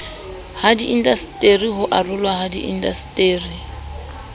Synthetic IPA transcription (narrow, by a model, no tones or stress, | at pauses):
hadiʔindastʼeriɦʊʔarʊlwahadḭʔḭndastʼeːri